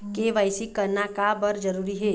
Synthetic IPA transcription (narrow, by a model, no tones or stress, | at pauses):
keʋaːɪsikɐɾnakabɐɾd͡ʒɐɾuːɾiɦɛː